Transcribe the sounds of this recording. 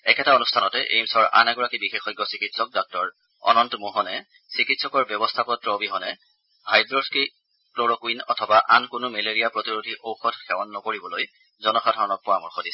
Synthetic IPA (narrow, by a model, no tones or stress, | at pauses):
ɛkʰɛtaonustʰanɔtɛʔḛjmsɔɹa̰nɛɡɔɹakibixexɔjɡːɔsikitsɔk̚dɔk̚tɔɹ | ɔ̰nɔntɔmuɦɔnɛ | sikitsɔkɔɹbjɔbɔstʰakɔtɹɔbiɦɔnɛ | bʱajdɹɔski | kloɹɔkwinɔ̰tʰɔbaʔankʊnʊmeleɹijapɹotiɹudʱiʔowxɔtxɛwanːɔkoɹibɔloj | zɔnɔxadʱaɹɔnɔk̚pɔɹamuɹxodisɛ̥